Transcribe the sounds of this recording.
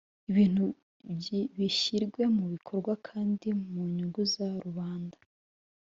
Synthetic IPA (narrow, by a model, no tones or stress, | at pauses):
iβiːn̥hu | βiçiɾɡwe̞muβikʰo̞ɾɡwakʰaːndimuɲuɡuzaɾuβaːndḁ